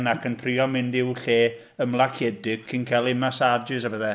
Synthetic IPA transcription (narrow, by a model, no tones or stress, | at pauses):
nakʰəntʰriɔmɪndɪwɬeː | əmlˠakʰɛdɪɡ̥̚kʰinkʰalˠɪmasadɨs̬abəðɛ